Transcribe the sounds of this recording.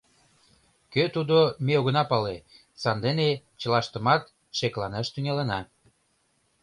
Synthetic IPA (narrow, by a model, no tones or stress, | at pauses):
køt̪ud̪omeoɣə̆nɑpɑle | sɑnd̪ene | t͡ɕə̆lɑʃt̪ə̆mɑt̪ | ʃeklɑneʃt̪yŋelənɑ